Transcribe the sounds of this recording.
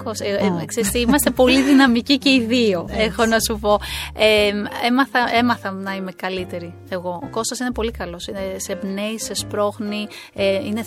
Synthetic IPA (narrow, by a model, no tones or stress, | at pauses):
koskseɾist̪iimɐst̪epo̞liðinɐmicice̞iðioexo̞nɐsupo̞ememɐθɐʔe̞mɐθɐmnɐime̞kɐlit̪e̞ɾi | eɣo̞oko̞st̪osine̞po̞likɐlo̞sinesebneise̞spɾo̞xni | eine